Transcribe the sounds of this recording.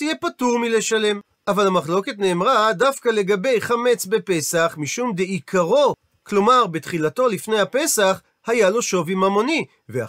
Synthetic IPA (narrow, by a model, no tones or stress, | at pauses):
ijepatuʁmileʃale̞m | ʔavalhamaχlo̞ke̞tne̞ːmʁadafkale̞ɡabe̞jχame̞t͡sbe̞pe̞saχmiʃumd̪eikʰaʁo̞ | klo̞maʁbet̪χilato̞lifne̞jhape̞saχ | hajalo̞ʃo̞vimamo̞ni | vea̰